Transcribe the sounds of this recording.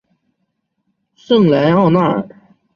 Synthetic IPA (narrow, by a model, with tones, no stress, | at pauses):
ʂɤ˥˩ŋla˧˥nɑ˥˧ʊna˥˩ə̰˨˩